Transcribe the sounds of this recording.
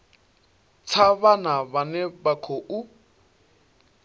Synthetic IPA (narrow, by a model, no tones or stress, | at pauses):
t͡sʰaβanaβanɛbakʰoʔu